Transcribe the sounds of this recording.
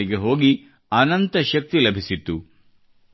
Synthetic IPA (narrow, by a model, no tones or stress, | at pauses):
iɡe̞ɦo̞ːɡi | ɐnɐnt̪ɐʃɐk̚t̪ilɐbʱisit̪ːu